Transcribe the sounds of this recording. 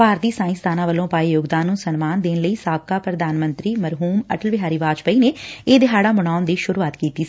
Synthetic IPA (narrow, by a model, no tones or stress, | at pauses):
paːɾt̪iːsãːɪ̃st̪ʰaːnãːʋəlõːpaːijoːɡd̪aːnːũːsənmaːnd̪eːnləiːsaːb̚kaːpɾəd̪aːnmə̃nt̪ɾiːməɾɦuːmə̰ʈəlʋɪɦaːɾiːʋaːd͡ʒpəiːneːeːd̪ɪɦaːɽaːməɽ̃aːʊnd̪iːʃʊɾuːaːt̪kiːt̪iː